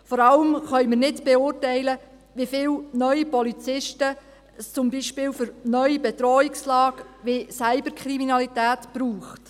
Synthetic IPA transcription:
fɔɾɑləmχœɥmɪɾnɪdb̥eʊːrtɛɪlə | ʋifɪːwnœʏipɔlit͡sɪʃtə | st͡sʊmbiʃpɪːwfʏɾnœɥjibɛtɾɔːikslɑːkʋesæɪbəɾkʰχɾiminɑlitæːtb̥ɾuːχt

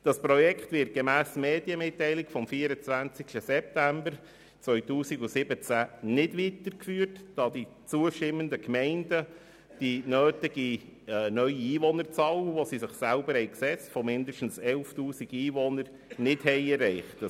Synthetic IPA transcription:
d̥ɑspɾɔjɛkχtʋɪɾrt̚ɡ̥emæːsmeːd̥iəmɪtːɛɪlɪɡ̥fɔmfiːəɾət͡sʋænt͡sɪkstəsɛp̚tæmbəɾ | t͡sʋœʏɥtuːsiɡusɪbət͡sænɪdʋitəɾkfyːəɾtd̥ɑːdi | t͡suəʃtɪmːəndəkmɛɪndə | d̥inøːtɪɡ̥inœʏiiːʋɔnəɾt͡sɑːləʋosisɪχsælbəɾhɛɪksɛt͡stfɔmɪndəʃtn̩sɛlftuːsiɡiːʋɔnəɾ | nɪthɛɪɛrːɛɪχt

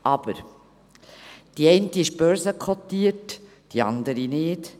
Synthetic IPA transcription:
ʔɑb̥əɾ | d̥iɛɪntiɪʃb̥œɾsəkʰχɔt̪ːiːət | d̥iɑ̰nd̪əɾinɪːt

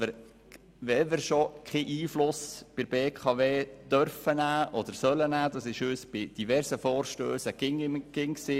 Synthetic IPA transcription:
ɪɾ | ʋɛʋɪɾʃokʰeʔiːflʊsb̥ɪɾbeːkʰɑʋeːd̥̪œɾfənæːʔɔd̥̪əɾsœlənæːd̥̪ɑsɪʃøːsb̥ɪd̥ivɛɾsəfɔːɾʃtøːsəɡ̥ɪŋɪɡ̥ɪŋksi

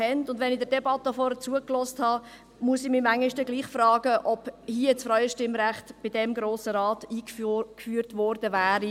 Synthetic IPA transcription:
hɛntʊndʋɛnidəɾdɛbɑtəfɔːɾət͡suəklɔːsthɑː | muəsɪmimæŋːiʃtəɡliːχfrɑːɡəʔɔb̥hiət͡sfɾaʏəʃtɪmɾæχtb̥ɪdɛmɡɾoːsəɾɑːtiːkfyːɾtʋɔːɾd̥əvæːɾi

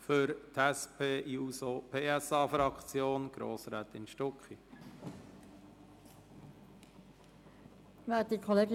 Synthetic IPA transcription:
fʏɾt̪ʰæspʰeːʔjusopʰeːæsɑːfɾɑkt͡sjoːnɡ̥ɾo̰ːsɾaːt̪ɪnʃtɔkχi | ʋɛːt̚dikʰɔleːɡ

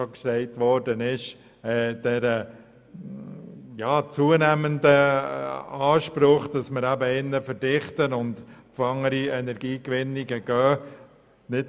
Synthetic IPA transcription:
okʃtɛɪtʋɔɾdənɪʃ | ɛːd̥ɛɾə | jɑːt͡suənæməndə | ɑːʃpɾʊχd̥ɑsməɾæbəɪnːəfəɾdɪχtənʊndfɑŋəɾiɛnɛɾɡ̥iːkʋɪniɡəɡ̥œː | nɪt

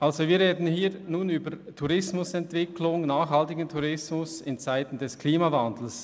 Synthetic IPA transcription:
ʔalzoviːɾʁeːdn̩ɦiːɾnuːnyːbəɾtʰuʁɪsmʊsɛntv̥ɪkʰlʊŋnaːχhaltɪɡəntʰuɾɪsmʊsɪnt͡saɪtn̩dɛskʰliːmavand̪l̩s

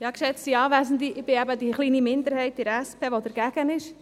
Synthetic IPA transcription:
jɑːkʃɛt͡stiɑːʋæsn̩diʔɪb̥ɪɛbədiχliːnimɪnd̪əɾhɛɪtɪɾɛspʰeːʋod̥əɾɡ̥æɡ̥ənɪʃ

